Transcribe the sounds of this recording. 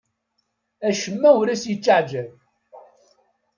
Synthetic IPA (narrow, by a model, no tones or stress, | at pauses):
æʃəmːæwɾæsjət͡ʃːaʕd͡ʒæn